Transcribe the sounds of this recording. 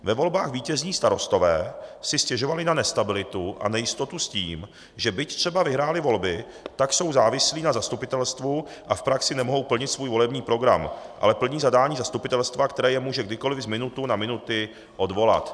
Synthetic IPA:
vɛvo̞lbaːxviːcɛzɲiːst̪aɾo̞st̪o̞vɛ̰ːsɪscɛʒo̞valɪnanɛst̪abɪlɪt̪uʔa̰nɛjɪst̪o̞t̪usciːm | ʒɛbɪct̪r̥ɛbavɪɦɾaːlɪvo̞lbɪ | t̪akso̞wzaːvɪsliːnazast̪upɪt̪ɛlst̪vu | ʔafpɾaksɪnɛmoɦo̞wpl̩ɲɪt̪svuːjvo̞lɛbɲiːpɾo̞ɡɾa̰mʔa̰lɛpl̩ɲiːzadaːɲiːzast̪upɪt̪ɛlst̪vakt̪ɛɾɛːjɛmuːʒɛɡdɪko̞lɪvzmɪnut̪unamɪnut̪ɪ | ʔo̞dvo̞la̰t̪

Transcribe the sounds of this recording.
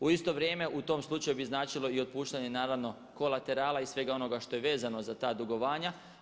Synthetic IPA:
uist̪o̞ʋɾʲje̞ːme̞ʔut̪o̞ːmslˠut͡ʃajubiznaːt͡ʃilˠo̞io̞t̪̚puːʃt̪aɲe̞naːɾaʋno̞ | ko̞lat̪e̞ɾaːlˠaisʋe̞ɡao̞no̞ɡaʃt̪o̞jeʋe̞ːzano̞zat̪aːd̪uɡo̞ʋaːɲa

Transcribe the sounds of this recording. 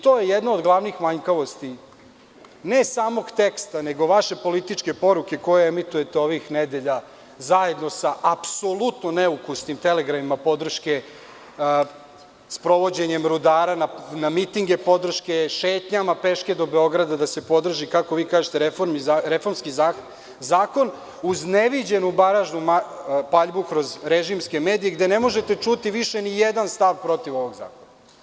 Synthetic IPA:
t̪o̞ːjejɛd̪naod̪ɡlˠaʋnixmaɲkaʋo̞st̪i | ne̞saːmo̞ɡt̪e̞kst̪aneɡo̞ʋaʃe̞po̞lit̪it͡ʂke̞po̞ɾuke̞ko̞jeemit̪uje̞t̪eo̞ʋixned̪e̞ʎa | zaje̞d̪no̞saʔːpso̞lˠut̪noneukusnimt̪ele̞ɡɾamimapo̞d̪r̩ʃke̞ | spɾo̞ʋo̞d͡ʑe̞ɲe̞mɾud̪aːɾananamit̪iŋɡe̞po̞d̪r̩ʃke̞ʃeːt̪ɲamape̞ʃke̞d̪o̞be̞o̞ɡɾad̪ad̪ase̞po̞d̪r̩ʒikako̞ʋiːkaːʒet̪eɾefoɾmiɾefo̞ɾmskiza | zaːko̞n | uzne̞ʋid͡ʑe̞nubaɾaʒnumapaʎbukɾo̞zɾeʒimske̞meːd̪ije̞ɡd̪e̞ne̞mo̞ʒet̪e̞t͡ʃut̪iʋiʃe̞nijed̪anst̪aʋpɾo̞t̪iʋo̞ʋoɡza̰ːkona

